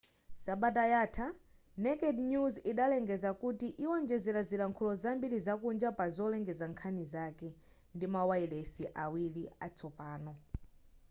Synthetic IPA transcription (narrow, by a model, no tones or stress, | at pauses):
saɓatajaːtʰa | nɛkɛdnjuziɗalɛŋɡɛzakutiʔiwɔnd͡ʒɛzɛlazilaŋkʰɔlɔzambiɾizakund͡ʒapazɔlɛŋɡɛzaŋkʰanizakɛ | ndimawailɛsiʔawiliat͡sʰɔpaːnɔ